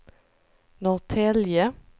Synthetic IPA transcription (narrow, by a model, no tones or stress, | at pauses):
nɔʁt̪ʰɛljə